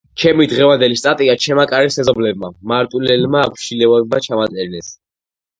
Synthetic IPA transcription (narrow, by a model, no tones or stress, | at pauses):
t͡ʃʰɛmid̪ʁɛvand̪ɛlist̪ʼat̪ʼiat͡ʃʰɛmakʼaɾɛsɛzɔblɛb̚mamaɾt̪ʼulɛlmaːpʰʃilɛvabmat͡ʃʰamat̪sʼɛɾnɛs